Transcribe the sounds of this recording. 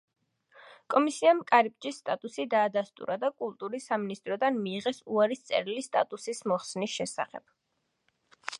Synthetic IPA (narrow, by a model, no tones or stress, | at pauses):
kʼɔmisiamkʼaɾip̚ʼd͡ʒisːt̪ʼat̪ʼusid̪aːd̪ast̪ʼṵɾad̪akʼulˠt̪ʼuɾisaminist̪ʼɾɔd̪anmiːʁɛsuaɾist̪sʼɛ̰ɾilist̪ʼa̰t̪ʼusismɔχsnisʃɛsa̰χɛb̥